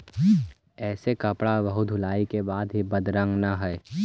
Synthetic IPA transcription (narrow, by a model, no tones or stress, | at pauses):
ɛːsekɐpɽaʋɐɦud̪ʱʊlaːikebaːd̪ɦibɐd̪ɾə̃ŋɡnaɦɛe